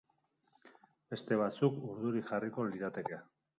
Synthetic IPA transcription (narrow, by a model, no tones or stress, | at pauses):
be̞st̪e̞β̞at͡sukuɾðuɾikʝariko̞liðat̪e̞kea